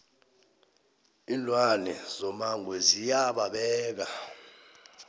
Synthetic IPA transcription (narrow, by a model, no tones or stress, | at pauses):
ilwanɛzɔmaŋʱwɛzijaɓaɓɛːk̬a